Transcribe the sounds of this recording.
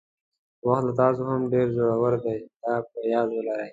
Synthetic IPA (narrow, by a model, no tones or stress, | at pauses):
waxt̪lat̪ɑs̬ohamɖeɾzoɽawaɾd̪ajd̪ɑpəjɑːd̪wəlaɾaj